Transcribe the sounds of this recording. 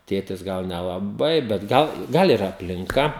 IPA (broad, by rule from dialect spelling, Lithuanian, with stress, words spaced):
ˈtʲeːtʲɪs ˈɡɐlˠ nʲɛlˠɐˈbɐɪ bʲɛt ˈɡɐlˠ ˈɡɐlˠ ɪr ɐpʲlʲɪŋˈkɐ